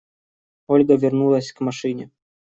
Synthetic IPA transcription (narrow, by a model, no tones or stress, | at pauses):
ɔlʲɡɐvʲɪrnulˠɐsʲkmaʂɨnʲɛ